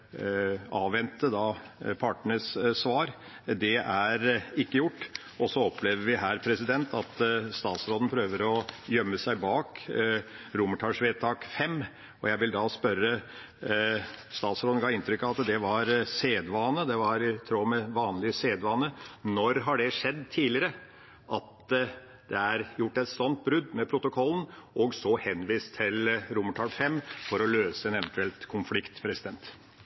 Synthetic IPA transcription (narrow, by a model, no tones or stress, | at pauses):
ɑːʋʋɛnt̪əd̪ɑpʰɑʈɳəssʋɑːɾ | d̪ɛʔæɾɪkːəjʊʈː | ɔsɔɔpleːʋəʋɪɦæːɾpʰɾɛsɪd̪ɛnt̪ʰɑt̪st̪ɑːt̪sɾoːd̪npʰɾøːʋəɾɔjœmːəsæɪbɑːk | ɾʊməʈʰɑːʂʋeːt̪ʰɑːkfɛmː | ɔjæɪʋɪld̪ɑspœɾːə | st̪ɑːt̪sɾoːd̪ənɡɑːɪnt̪ʰɾʏkːɑʋɑt̪d̪ɛʋɑɾseːd̪ʋɑːnəd̪ɛʋɑɾt̪ʰɾoːmɛʋɑːnlɪseːd̪ʋɑːnənɔɾɦɑɖɛʂɛd̪ːt̪ʰiːlɪəɾə | ʔɑt̪ | d̪ɛæɾjʊʈːɛt̪sɔnt̪̚bɾʉd̪ːmɛpʰɾʊt̪ʊkʰɔlːn̩ʔɔɡsɔhɛnʋiːst̪ʰːɪlɾʊməʈʰɑːfɛmːfɔɾɔløːsəɛnɛʋənt̪ʉɛlt̪kʰʊnflɪkt̪pʰɾɛsɪd̪ɛnt̪